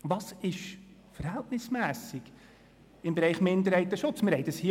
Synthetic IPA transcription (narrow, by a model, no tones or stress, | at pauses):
ʋɑsɪʃfəɾhɛltnɪsmæːsɪɡ̥ | ɪmbeɾɛɪχmɪnd̪əɾhɛɪt̪əʃʊt͡smɪɾhɛɪdɑshi